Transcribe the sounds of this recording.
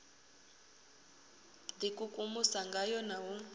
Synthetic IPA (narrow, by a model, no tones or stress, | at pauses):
dikʼukʼumusaŋɡajɔnaɦu